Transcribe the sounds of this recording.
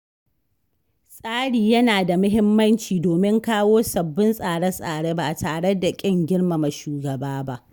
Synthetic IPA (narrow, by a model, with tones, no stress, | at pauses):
sʼaː˦ɽiː˨jɐ˦naː˨da˨mʊ˦ɦɪ˦mːɐ˦nt͡ʃiː˨doː˨mɪ˦ŋkaː˦woː˦sɐ˨bːɪ˦nsʼaː˨ɽɛ˦sʼaː˨ɽeː˦ba˦˨taː˨ɽe˦da˨kʲʼɪ˦ŋɡʲɪ˦ɽma˨ma˨ʃuː˨ɡɐ˨baː˦ba˦ʔ